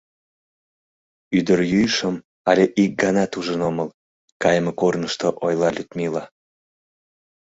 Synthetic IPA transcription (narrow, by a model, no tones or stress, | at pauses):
yd̪əɾjyjʃəm | ɑlʲeʔik̚ɡɑnɑt̪uʒənoməl | kɑjəmekornəʃt̪oʔojlɑlʲyt̪milɑ